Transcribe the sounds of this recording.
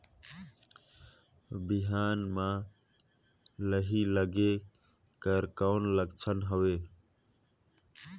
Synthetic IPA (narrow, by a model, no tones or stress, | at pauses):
biɦanma | ləɦiləɡe | kəɾkawnləɡt͡ʃʰənɦəwe